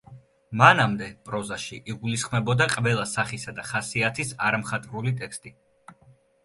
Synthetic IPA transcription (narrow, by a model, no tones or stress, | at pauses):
manamd̪ɛpʼɾɔzaʃiʔiɡulisχmɛbɔd̪aqʼvɛlˠasaχisad̪aχasiat̪ʰisaɾamχat̪ʼɾulit̪ʼɛkst̪ʼi